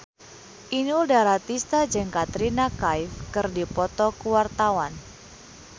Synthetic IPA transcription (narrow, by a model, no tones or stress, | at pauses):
ʔinudaɾat̪ist̪ad͡ʒəŋkat̪ɾinakajfkərdipɔt̪ɔkuwart̪awan